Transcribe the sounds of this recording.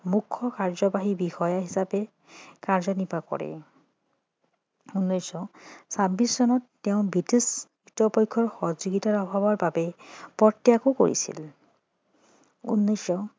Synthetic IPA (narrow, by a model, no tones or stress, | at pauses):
mukʰːɔkaɹzɔbaɦibixɔjaɦisapɛ | kaɹzɔnipakɔ̰ɹɛ̰ | unːɔjsɔsabissɔnɔtːɛʊ̃bitis | itɔpɔjkʰːɔɹxɔzuɡitaɹɔbʱabɔɹbabɛpɔtːijakoko̰ɹḭsḭl | ṵnːɔjsɔ